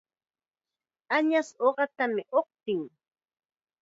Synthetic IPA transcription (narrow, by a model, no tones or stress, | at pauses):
aɲasoɢɑt̪amɪʔoq̚t̪ɪŋ